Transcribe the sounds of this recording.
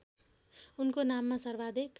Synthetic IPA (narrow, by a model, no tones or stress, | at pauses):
unkonamːasʌrbad̪ek